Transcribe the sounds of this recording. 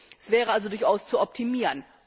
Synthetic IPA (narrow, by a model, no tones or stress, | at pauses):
ɛsv̥ɛːʁəalzodʊɐçʔaʊst͡suɔp̚tʰimiːʁən